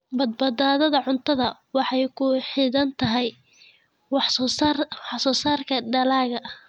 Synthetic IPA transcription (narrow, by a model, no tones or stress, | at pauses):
bɐd̪̚bɐd̪aːðɐðɐʕʊnt̪ʰɐðɐwɑħɑjkʰʊħɪðɐnt̪ʰɐɦɛj | wɑħ | wɑħsɔːsaːrkʰɐɖɐlaːɣɐʔh